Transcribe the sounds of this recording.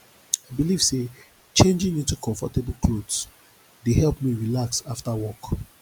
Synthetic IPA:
aɪbiliv̥se | t͡ʃẽnd͡ʒĩŋĩntukʰɔ̃ɱfɔtebl̩ˠkʰlods | dehɛlˠpmiɹilaksaftawɔk

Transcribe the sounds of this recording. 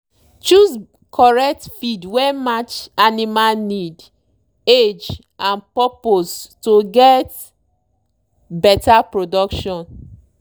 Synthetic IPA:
t͡ʃuz | kʰɔɹɛk̚tfidwɛmat͡ʃanimalnid | ed͡ʒ | ãnpɔpostoɡɛt | bɛtapɹodɔkʃɔ̃n

